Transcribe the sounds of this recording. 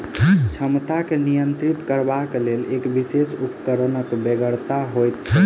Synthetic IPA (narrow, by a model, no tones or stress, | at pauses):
t͡ʃʰəmt̪akenijənt̪ɾit̪kəɾbakelelekbisesupkəɾənəkbeɡəɾt̪aɦojt̪t͡ʃʰə